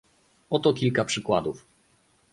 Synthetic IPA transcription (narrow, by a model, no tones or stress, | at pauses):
ɔt̪ɔkʲilkapʂɘkwad̪uf